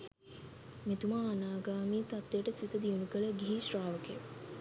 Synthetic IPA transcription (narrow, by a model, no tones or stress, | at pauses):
mit̪umaːnaːɡaːmiːt̪at̪ːejəʈəsit̪əd̪iunukələɡiɦiʃraːʋəke